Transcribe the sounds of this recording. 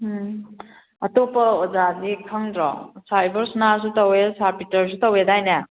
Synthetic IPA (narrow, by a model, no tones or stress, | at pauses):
ɐtopɐɔd͡ʒadikʰəŋdɾɔ̰sajbɐɾsnaɾs̬utɐwesaɾpitɐɾs̬utɐwedajna